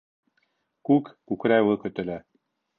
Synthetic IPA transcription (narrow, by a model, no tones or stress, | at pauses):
kukkukɾæjwɘkɵ̆t̪ɘ̆læ